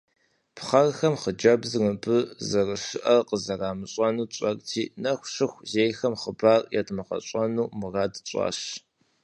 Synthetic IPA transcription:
pχɐrxɐmχəd͡ʒɐbzmɨbʰɨzɐrɨʃɨʔɐrqəzɐraːmɨɕʼɐnuːt͡ʃʷʼɐrʼtʰiːnɐxʷʂɨxʷzeːjxɐmχəbaːrjɛ̰tʰʼmɐqɐ̰ɕʼɐnuːmɨradɕʷʼɑ̰ːɕ

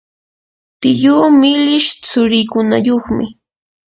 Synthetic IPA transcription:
t̪ɪʎuːmɪlɪʃt͡sʊɾɪjkʊna̰joχmɪ

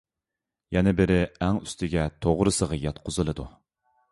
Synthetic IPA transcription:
jɛnɪbɪɾɪæŋyst̪ʰɪɡʲɛt̪ʰoʁɾɨsəʁɑjɑt̪̚qʰʊzɨlˠɨd̪u

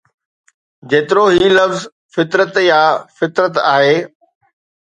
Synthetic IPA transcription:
d͡ʑeːt̪ɪɾoɦiːlɐfz | fɪt̪ɾət̪jaːfɪt̪ɾət̪aːɦeː

